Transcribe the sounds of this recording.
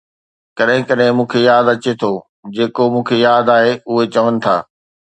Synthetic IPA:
kɐɗɦɪ̃kɐɗɦɪ̃mũːkʰejaːd̪ɐt͡ɕet̪ʰo | d͡ʑeːkomũːkʰejaːd̪aːɦeʊɦet͡ɕɐʋənɪ̆t̪ʰa̰ː

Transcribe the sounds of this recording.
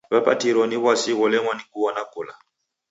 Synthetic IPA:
βapa̰tiɾɔniβwasiɣɔlɛŋwanikuwɔnakɔla

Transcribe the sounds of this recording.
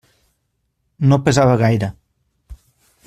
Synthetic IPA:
nopezaβaɣajɾə

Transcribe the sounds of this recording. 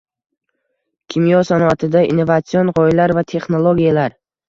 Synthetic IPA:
kʲʰimijɒsanɔat̪ʰɪd̪aḭnːovat̪sionʁɒɪlaɾvat̪ʰe̞χnolˠoɡʲijalaɾ

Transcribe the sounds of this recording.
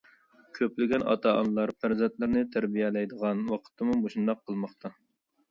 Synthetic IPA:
kʲʰøplɪɡʲɛnʔɑ̰t̪ʰɑɑ̰nlˠɑɾpʰæɾzɛnt̪lɪɾnɪt̪ʰæɾbijɛlɛjd̪əʁɑnwɑqʰə̥t̪ʰɨmuboʃund̪ɑqʰːəlˠmɑχt̪ʰɑ

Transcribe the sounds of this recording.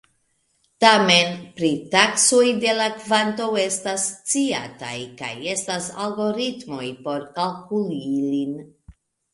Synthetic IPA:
tame̞npɾitaksojde̞lakvanto̞we̞stast͡sia̰ta̰jka̰je̞stasa̰lɡo̞ɾitmo̞jpo̞ɾkalkulilin

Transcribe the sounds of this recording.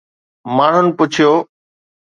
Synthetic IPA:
maːɳ̤ʊnɪ̆pʊt͡ɕʰijoː

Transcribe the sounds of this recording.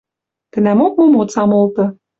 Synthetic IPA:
k̪ə̆næmok̚momott͡sɑmolˠt̪ɤ̆

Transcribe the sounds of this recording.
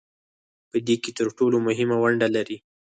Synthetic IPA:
pəd̪eket̪əɾʈolomʊɦɪmawaɳɖalaɾi

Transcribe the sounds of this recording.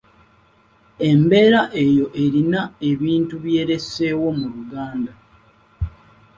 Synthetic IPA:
e̞mbe̞ːɾaʔe̞jo̞ʔe̞ɾinae̞βiːntuβje̞ːɾe̞se̞ːwo̞muɾuɡaːnda

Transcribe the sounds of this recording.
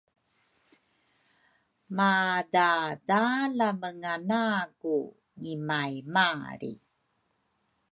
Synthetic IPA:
madadalaməŋanaku | ŋimajmaɾḭ

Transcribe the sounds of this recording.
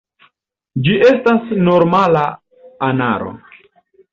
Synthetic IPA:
d͡ʒiʔe̞stasno̞ɾmala | ana̰ɾo̞̰

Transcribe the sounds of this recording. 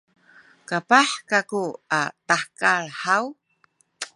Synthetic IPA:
kapaħkakuataħkaɭħaw

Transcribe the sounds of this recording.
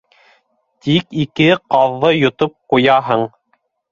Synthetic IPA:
t̪ikikɘqɑðːɤjŏt̪op̚qujɑɦɤɴ

